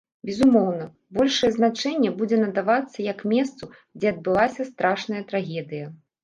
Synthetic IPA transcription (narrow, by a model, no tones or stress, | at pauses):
bʲɛzumɔwnɐ | bɔlʲʂɐjɛznat͡ʂɛnʲːɛbud͡zʲɛnɐd̪avat̪sːɐjɐkmʲɛst̪su | d͡zʲɛɐd̪̚bɨlˠasʲɐst̪ɾaʂnɐjɐt̪ɾaɣʲɛd̪ɨjɐ